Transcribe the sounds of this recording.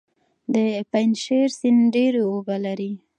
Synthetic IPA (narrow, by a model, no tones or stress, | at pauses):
d̪əpajnʃeɾsinɖeɾeobalaɾi